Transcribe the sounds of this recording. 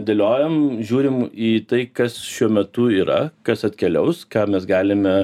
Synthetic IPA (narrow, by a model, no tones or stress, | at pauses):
d̪ʲɐlʲoːjɛmʒʲuːɾʲɪmiːt̪ɐɪkɐsʃʲuɔmʲɛt̪ʊiːɾɐ̰kɐsɐt̪ʲkʲɛlʲɛʊskɑːmʲɛsɡɑːlʲɪmʲɛ